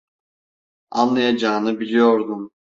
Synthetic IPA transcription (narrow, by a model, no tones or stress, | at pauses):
anlˠajad͡ʒaːnɯbilʲijo̞ɾd̪um